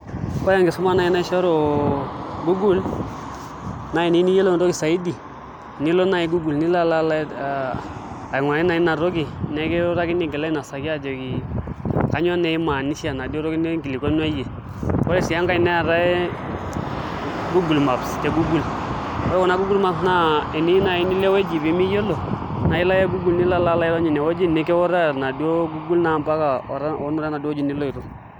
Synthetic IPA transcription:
ko˦ja˦ŋɡi˨su˦ma˦na˨i˦na˦ʃo˦ɾo˨ | ɡu˦ɡu˦l | na˦i˨ni˦ni˦je˦lo˦n˨ɾo˦ɡi˨sa˨i˦di˨ | ni˦lo˦na˦ji˦ɡu˦ɡu˨lni˦la˦la˦la˦˨ | a˨ŋwa˨˦i˦na˨i˦na˨ɾo˦ɡi˨nɛ˨ke˦ɾa˦ki˦ni˦ɡɛ˨la˦na˨sa˨ki˦a˦d͡ʒo˨ɡi˨ | ka˨˦ɲo˦ne˦i˦ma˨ni˦si˦a˨na˨di˦o˦ɾo˦ɡi˦ne˦ɡi˨li˨ko˦n˦a˦je˨ | ko˦ɾe˦˨si˨ja˦ŋka˦i˦nɛ˦a˨ɾa˦ɛ˦ | ɡu˦ɡu˨lma˨bste˨ɡu˦ɡu˦l | ɔ˦ɾwɔ˨na˦ɡu˦ɡu˦lma˦˨psna˦ɛ˨ni˦na˨i˦ni˦le˦we˦d͡ʒi˨bi˦mi˦jo˦lo˨ | na˨i˦la˦je˦ɡu˦ɡu˨lni˦la˦la˦la˦jɛ˦ɾɔ˦ɲi˨nɛ˨wo˦d͡ʒi˦˨nɛ˦kɛ˦wɔ˦ɾa˦˨na˨di˦o˦ɡu˦ɡu˦lna˨mba˦ka˨ɔ̰˨ɾa˦o˦nu˦ɾa˦na˨do˦d͡ʒi˨ni˦lo˦i˨ɾo˨

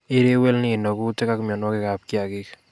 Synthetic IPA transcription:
e˦ɾe˦wɛ˦lni˨nɔ˨ku˦te˦ka˦ku˦mjɔ˨nwɔ˦ke˦ka˨p̚kja˨kɪ˦k

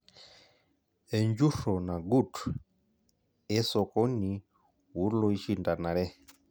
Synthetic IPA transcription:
ɛ˨ɲd͡ʒu˦ʃɔ˨na˨ɡu˦˨tu | ɛ˦sɔ˨kɔ˦ni˨ | wu˨˦lɔ˦i˦ʃi˦nda˨na˨ɾɛ˦

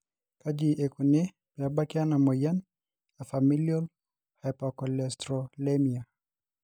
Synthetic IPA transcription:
ka˦d͡ʒiʔe˨ku˨ne˦ | pi˨aba˦kɪana˨mɔ˨ja˦n | a˨fami˦ljɔ˦l | hapakɔlɛstɾɔlemia˨

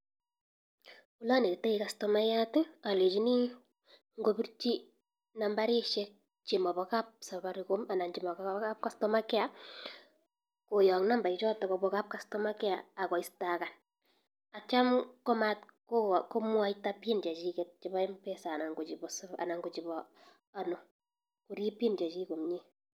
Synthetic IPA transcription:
u˦la˦ne˨te˦ika˨stɔma˦jatea˨le˨t͡ʃi˦ni˦ | ŋɡopi˦rt͡ʃi˦ | namba˦ɾi˦ʃɛk̚ | t͡ʃi˨mɔ˨bɔkap̚sa˨βaɾikoma˨na˨nt͡ʃi˨mɔ˨kaka˦p̚kastɔmakɛ˦a | ko˨jɔ˨ŋna˦mba˨it͡ʃɔ˦tɔ˨kobɔ˦ka˦p̚ka˦stɔmakɛ˦aa˨kɔ˨istaka˨n | a˨t͡ʃa˦mkɔ˦matkoko˦mwa˦itapint͡ʃa˨t͡ʃiket̚t͡ʃi˨bɔ˦ɛmpe˦sa˨na˨ŋɡo˨t͡ʃi˨bɔsa̰˨na˨ŋɡo˨t͡ʃi˨bɔ | a˦no˨ | ku˨ɾi˦pi˦nt͡ʃa˨t͡ʃi˦ko˨mɲi

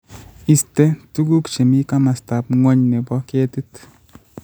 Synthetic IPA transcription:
i˨ste˦tu˦ɡu˦kt͡ʃe˨mi˦ka˦ma˨sta˨p̚ŋɔ˦ɲne˨bɔ˦ke˦ti˦t

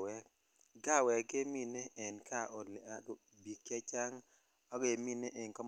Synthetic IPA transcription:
wɛ˨ | ɡa˦˨wɛ˨ɡe˦mi˦nɛ˦ɛ˨nkʰa˦ʔo˨li˨a˨˦d | bi˨kɛ˦t͡ʃa˦ŋ | ɔ˦ɡe˨mi˦ne˦ʔe˨nkɔ˦m

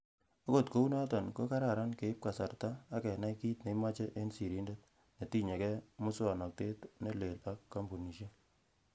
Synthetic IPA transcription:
o˦ko˨tko˦u˦na˦tɔ˨nko˦ka˦ɾa˨ɾa˦nke˨i˦p̚ka˨sa˨rtaː˦˨kɛ˨na˦jki˦tne˨ima˦t͡ʃe˦ʔe˦nsi˨ɾi˦nde˦t̚ | ne˨ti˦ɲe˨kɛ˦mu˦swa˨nɔ˨k̚te˦tne˦le˨lpa˦kːa˦mbu˨ni˨ʃe˦

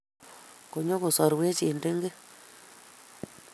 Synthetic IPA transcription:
ko˨ɲo˦ku˨sɔ˨ɾwe˦t͡ʃi˨nde˦ŋɡɪ˦

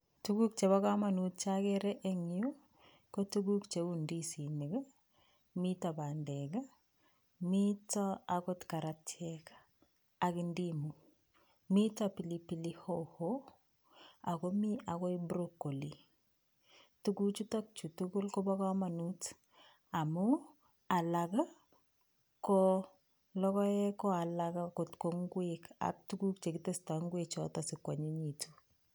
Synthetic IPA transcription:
tu˦ɡu˦k̚t͡ʃe˨βa˦ka˦ma˨nut̚t͡ʃa˦kɛɾɛʔeŋju | ko˦tuɡu˦kt͡ʃe˨undisi˨ni˨ɡa˦ | mi˦ta˨ba˨ndɛɡa˦ | mi˦ta˦akɔ˦tka˨ɾatʰɛkḁ | a˨ki˨ndimu | mi˦tapi˨lipi˨lihoho | a˨ko˦mi˦a˨kɔ˦i˦bɾo˦kːo˨li˨ | tuku˦t͡ʃu˦ta˦k̚t͡ʃu˨tu˦ku˦lkɔ˦ba˦ka˦ma˨nu˦t | a˨mu˦ | a˨la˨ka˦ | kɔ˦ | lɔ˦kɔ˦ɛ˦kɔ˦a˨la˨ka˦ko˨tko˨ŋɡweka̰˨k̚tu˦ku˦k̚t͡ʃe˨ki˦te˦sta˨ŋɡwe˨t͡ʃɔ˦ta˨si˨kwa˨ɲi˦ɲi˨tu̥˨

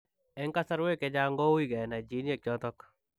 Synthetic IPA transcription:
e˦ŋka˦sa˦ɾwe˦ke˨˦d͡ʒa˦ŋɡo˦wi˦ɡɛ˨na˨d͡ʒi˦nie˦k̚t͡ʃɔ˦t̪ɔ˦k

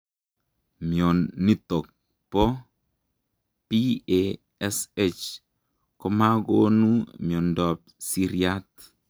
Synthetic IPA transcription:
mjo˨nːi˦tɔ˨k̚ | pɔ˦ | pi˦e | ɛ˦se˦t͡ʃ | kɔ˦ma˦ɡo˦nu˦mjɔ˨ndɔ˨p̚si˦ɾija˦t

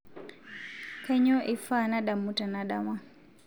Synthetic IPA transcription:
kɛ˦ɲɔ˦ʔi˨fa˦˨na˦ɗa˨mu˦ta˨na˨ɗa̰˦˨ma˦

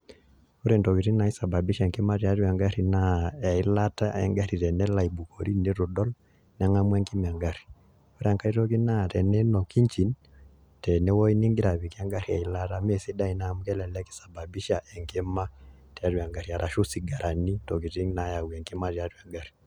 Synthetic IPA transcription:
o˦ɾe˨ntɔ˨ki˨ti˦ŋ˦na˨i˦sa˨ba˨bi˦ʃɛ˨ŋkɛ˦ma˦ti˦a˦ɾwa˨ŋɡa˦ɾi˨na˦a˨i˦la˦ta˦ɛ˦ŋɡa˦ɾi˨ɾɛ˨nɛ˦la˨i˨bu˨kʰɔ˨ɾi˦ne˦ɾo˨dɔ˦l | nɛ˨˦ŋa˦mwɛ˦ŋki˦m˨a˨ŋɡa˦ɾi̥˨ | o˦ɾa˨ŋka˦i˦tɔ˦ki˦na˦˨tɛ˨nɛ˦nɔ˨ki˦ɲt͡ʃi˨˦n | tɛ˨nɛ˦wɔ˦i˦ni˦ŋɡi˦ɾa˨βi˨ka˦ŋɡa˦ɾi˨a˨i˨˦la˦ta˦mɛ˨si˦da˦i˦na˨mu˦kɛ˦lɛ˨lɛ˦ki̥˦sa˨ba˨bi˦ʃa˨ʔɛ˨ŋkɛ˦ma˦ | tɛ˨a˦ɾwa˨ŋɡa˨ɾi˨a˨ɾa˨ʃo˦si˨ɡa˨ɾʔa˨ni˦tɔ˨ki˨ti˦ŋna˨ja˨wɛ˨ŋki˦ma˦ɾja˨˦twa˨ŋɡa˦ɾi̥˨

